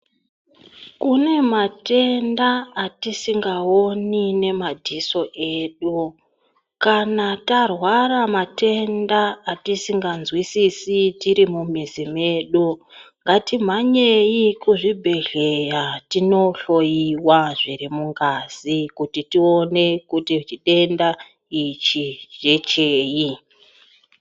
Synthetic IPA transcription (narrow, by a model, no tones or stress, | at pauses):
kune̞mate̞ndaːtisiŋɡaonine̞madʱiso̞ʔe̞ːɗu | kanatarwaramate̞ndaːtisiŋɡanzwisisitiɾimumizime̞ːɗuŋɡatim̤aɲejikuʐibʱe̞ɮe̞jatino̞ɬo̞jiwaʐiɾimuŋɡaz̥ikutitio̞ne̞kutit͡ʃiɗe̞nda | it͡ʃid͡ʒe̞t͡ʃeːji